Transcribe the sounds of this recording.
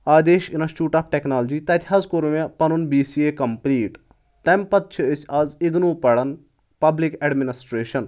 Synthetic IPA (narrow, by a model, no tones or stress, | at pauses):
aːd̪eːʃinɐst͡ʃuːʈaːpʰʈeknaːld͡ʒit̪ɐt̪ʲiɦazkuɾmepɐnunbiːsiekɐmpliːʈ | t̪ɐmpɐt̪̚t͡ʃʰiəsʲɐziɡ̪nuːpɐɽɐn | pɐblikeɖminisʈɾeːʃɐn